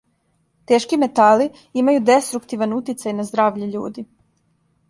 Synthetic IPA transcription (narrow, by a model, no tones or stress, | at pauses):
t̪e̞ːʃkime̞t̪ali | imajud̪e̞st̪ɾukt̪iʋanut̪it̪sajnazd̪ɾaːʋʎeʎṵːd̪i